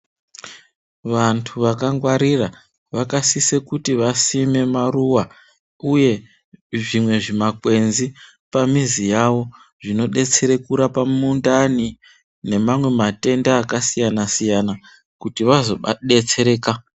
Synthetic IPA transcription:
ʋantʰuʋakaŋɡwaɾira | ʋakasise̞kutiʋasime̞maruwa | uje̞ | ʐimwe̞ʐimakwe̞nzi | pamizijawo̞ | ʐino̞ɗe̞t͡se̞ɾe̞kuɾapamundani | ne̞mamwe̞mate̞ndaːkasijanasijana | kutiʋazo̞ɗe̞t͡se̞ɾe̞ːka

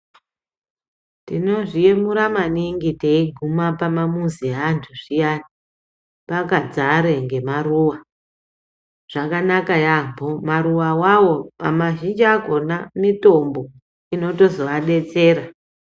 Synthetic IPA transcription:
tino̞ʐijemuɾamaniŋɡiteiɡʱumapamamuziɦantʰuʐ̥ijani | pakad͡zaɾeŋɡe̞maruːwa | ʐ̥akanakajambomaɾuwawawo̞amaʒind͡ʒaɡʱo̞namito̞mbo̞ | ino̞to̞zo̞ʋaɗe̞t͡se̞ːɾa

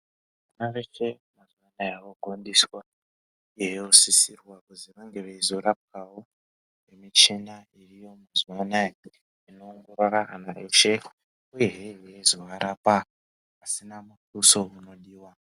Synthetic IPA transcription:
anaʋe̞t͡ʃe̞ | mazwanajawoɡʱo̞ndiswa | ujeɦosisirwakuziʋaŋɡe̞ʋeizoɾap̚kawo | emit͡ʃena | irijo̞mazwana | ino̞ːŋɡuraraɦanaʔet͡ʃe | ujeɦewezoʋaɾapa | pasinamutuso̞uno̞ɗiːwa

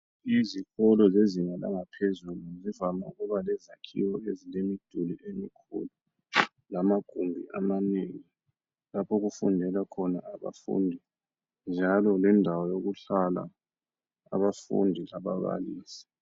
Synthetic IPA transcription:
izixɔlɔzeziŋala̰ŋapʰezuluzivamauɣuβalɛzakʰḭwɔezilemid̥ʱuliemikʰṵlu | lamaɡ̥ʱumbʱiʔamaneːŋi | lapʰɔɣufundʱɛlakʰɔna̰ːβa̰fṵndʱi | nd͡ʒʱalɔlɛndʱawɔjoɣuɬala̰ | a̰βafṵndʱilaβaβa̰liːsi̥

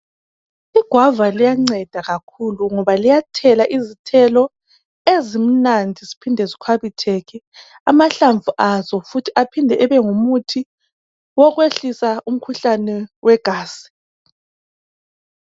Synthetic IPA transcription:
iɡ̥ʱwavalijaŋ͡ǀɛd̥ʱaɣakʰuluŋɔβalijatʰɛlaʔizitʰɛlɔ | ezim̩nandʱizipʰindʱɛzikʰaβitʰɛɣʰɛ | amaɬaɱvuʔazɔfutʰiʔapʰindʱɛʔɛβɛŋumutʰi | wɔɣweɬisaum̩kʰuɬanɛwʔɛɡ̥ʱaːsi̥

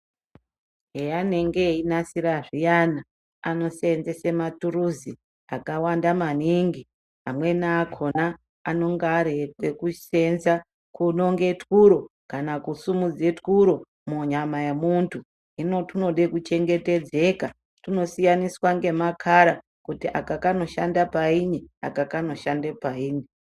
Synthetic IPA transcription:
ɦejane̞ŋɡeinasiɾaʐijana | ano̞senzese̞maturuzi | akawandamaniŋɡi | ɦamwe̞naːkʰo̞naː | no̞ŋɡːɾetwe̞kuse̞nza | kuno̞ŋɡe̞tkuɾo̞kanakusumud͡zetkuɾo̞ | muɲamajemuntʰu | ino̞tuno̞ɗekut͡ʃe̞ŋɡe̞te̞d͡ze̞ka | tino̞sijaniswaŋɡe̞makʰaɾa | kutiʔakakano̞ʃandapainia̰kakano̞ʃandepaiːni

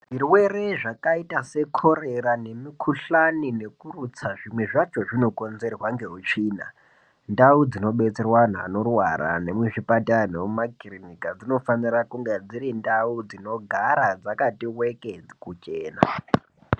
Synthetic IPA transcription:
ʐirwe̞reʐakaitase̞kʰo̞ɾe̞rane̞mikʰuɬanine̞kurut͡saʐimwe̞ʐat͡ʃo̞ʐino̞ko̞nzerwaŋɡe̞ɦut͡ʃiːna̰ | ndaud͡zino̞ɓe̞t͡se̞rwan̤a̰ːno̞rwaɾa̰ne̞muʐipataneumaɡʱirinikad͡zino̞fanirakuŋɡed͡zirindaud͡zino̞ɡʱaɾad͡zakatiwe̞ked͡zikut͡ʃeːna̰

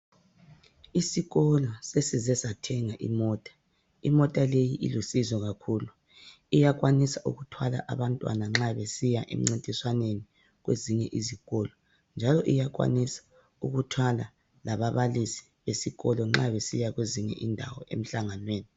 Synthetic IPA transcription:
isiɣɔlɔsesizɛsatʰɛŋaʔḭmɔːtʼḁ | imɔtʼalejiʔḭlusizɔɣakʰuːlu | ijaɣwanisaʔṵɣutʰwala̰ʔa̰βantʼwa̰naŋ͡ǁaβesijaʔḛm̩ŋ͡ǀintʼiswaneni | ɣwḛziɲɛʔiziɣɔlɔ | nd͡ʒʱalɔʔijaɣwa̰nisḁ | uɣutʰwala | laβaβalisi̥βesiɣɔlɔŋ͡ǁaβesijaɣweziɲɛ̰ʔindʱa̰wɔḛm̩ɬaŋanweːni

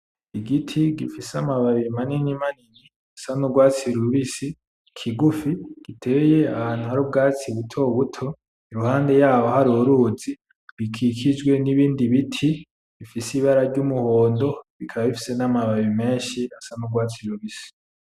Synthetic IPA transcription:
iɡitʰiɡifisamaβaβimaninimanini | asanuɡwaːt͡siɾuɾuβisi | kʰiɡufiɡ̥itʰeje̞ahaːn̥uhaɾub̚ɡaːt͡siβutʰo̞βutʰo̞ | iɾuhaːnde̞jaːβohaɾuɾuzi | βikʰikʰid͡ʒɡwe̞niβiːndiβitʰi | βifisiβaɾaɾɟumuhoːndo̞βikʰaβaβifi̥se̞namaβaβime̞ːɲʃiasanuɡwaːt͡siɾuβisi̥

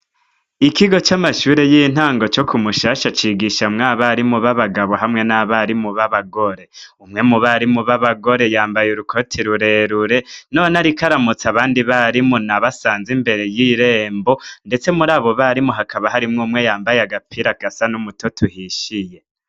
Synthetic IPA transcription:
ikiɡo̞t͡ʃamaʃuːɾejin̥haːŋɡo̞t͡ʃo̞kʰumuʃaʃat͡ʃiɡiʃamŋaːβaɾimuβaβaɡaβo̞ɦamŋe̞naβaɾimuβaβaɡo̞ɾe̞umŋe̞muβaɾimuβaβaɡo̞ɾe̞jaːmbajuɾukʰo̞tʰiɾuɾe̞ɾuɾe̞no̞ːnaɾikaɾamut͡saβaːndiβaɾimunaβasaːnzimbe̞ɾe̞jiɾeːmbo̞nde̞t͡se̞muɾaːβo̞βaɾimuɦakʰaβaɦaɾimŋuːmŋe̞jaːmbajeaɡapʰiɾaɡasanumutʰotʰuhiʃije̞

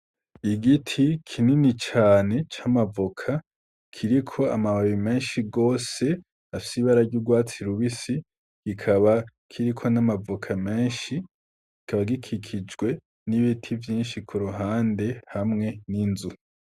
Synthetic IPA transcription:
iɡitʰikʰininit͡ʃaːne̞t͡ʃamavokʰa | kʰiɾikʰo̞amaβaβimeːnʃiɡo̞ːse̞ | afi̥siβaɾaɾɟuːɡwaːt͡siɾuβisi | ɡ̥ikʰaβa | kʰiɾikʰo̞namavokʰameːnʃi | ɡ̥ikʰaβaɡikʰikʰid͡ʒɡwe̞ | niβitʰivjiːnʃikʰuɾuɦaːnde̞hamŋe̞ninzu

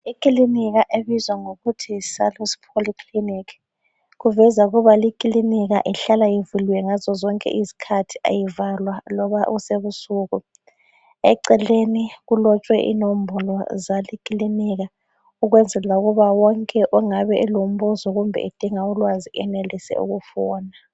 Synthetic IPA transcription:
ikʼiliniɣ̬aʔeβizwaŋoɣutʰisalusi̥pʰoliklinikʰ | ɣuvɛzauɣuβalikʼiliniɣ̬a̰ʔiɬalajivuliwɛŋazɔzɔŋkʼɛ̰ʔizi̥kʰatʰi̥ʔa̰jivalwalɔβauseβusuːɣu | ɛǀɛleniɣulɔt͡ʃʼwɛʔḭnom̩bʱɔlɔzalikʼiliniɣa | uɣwɛnd͡zʱɛlauɣuβawɔŋkʼɛʔuŋaβɛʔɛlom̩ɓuzɔɣumbʱɛ̰ḭd̥ʱiŋaulwaziʔɛnelisɛ̰ṵɣufɔːna

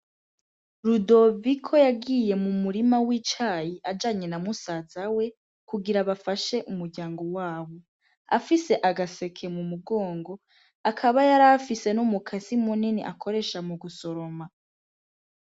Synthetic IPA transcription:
ɾudo̞vikʰo̞jaɡije̞mumuɾimawiːt͡ʃaːjiʔad͡ʒaːɲe̞namusaz̥awe̞ | kuɡiɾaβafaʃe̞ʔumuɾɟaːŋɡo̞waːβo̞ | a̰fise̞ʔaɡase̞kʰe̞mumuɡoːŋɡo̞ | akʰaβajaɾafise̞numukʰasimuninḭʔakʰo̞ɾe̞ʃamuɡuso̞ɾo̞ma

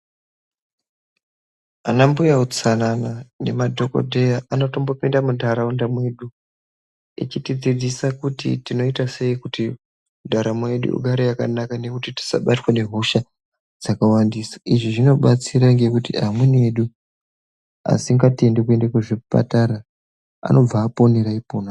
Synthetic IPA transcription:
anambujaut͡sananane̞madʱo̞ko̞̰dʱe̞jaʔano̞to̞mbo̞pindamudʱaɾaundamwe̞ɗu | ḭt͡ʃitid͡zid͡zisakutḭtino̞itase̞ikuti | mudʱaɾamwe̞ɗṵṵɡʱaɾejakanakane̞kutiti̥sa̰ɓatwane̞ɦo̞ʃa | d͡zakawandisḁʔiʐiʐino̞ɓat͡siɾaŋɡe̞kutḭamwene̞ɗu | a̰siŋɡate̞ndek̬ue̞ndakwuʐipa̰taɾa | a̰no̞b͡vaːpo̞neɾaipona

